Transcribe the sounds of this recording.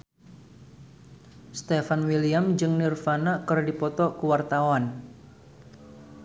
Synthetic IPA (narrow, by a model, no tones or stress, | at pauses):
st̪efanwiliamd͡ʒɨŋnirfanakɨrdipɔt̪ɔkuwart̪awan